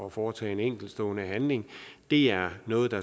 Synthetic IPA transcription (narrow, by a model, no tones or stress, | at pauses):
ɒfɒːt͡sʰɛ̰ːeneŋ̰ɡ̥l̩d̥sd̥ɔ̰ːnəɦænle̝ŋd̥e̝æɐnɔ̽ːð̞̩ˠd̥ɑ̈